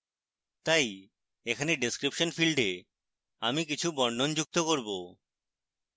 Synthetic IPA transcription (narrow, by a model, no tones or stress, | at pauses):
t̪aj | ekʰaneɖeskɾipʃonfilɖe | amik̬it͡ɕʰubɔɳɖond͡ʑuk̚t̪okoɾbo